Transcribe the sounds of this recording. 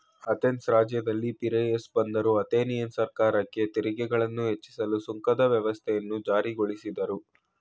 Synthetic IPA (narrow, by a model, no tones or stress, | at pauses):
ɐt̪ensɾaːd͡ʒjɐd̪ɐlːipiɾejesbɐnd̪ɐɾuɐt̪eːnijɐnsɐɾkaːɾɐkːe̞t̪iɾiɡɛɡɐɭɐnːuɦet͡ʃːi̥sɐlusuŋkɐd̪ɐʋjɐʋɐst̪ʰɛjɐnːud͡ʒaːɾiɡoɭisid̪ɐɾu